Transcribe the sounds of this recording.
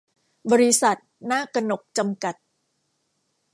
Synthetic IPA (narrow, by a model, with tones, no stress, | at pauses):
bɔː˧ɾi˦˥sa˨˩t̪̚naː˥˩ka˧no˨˩k̚t͡ɕa˧mka˨˩t̪̚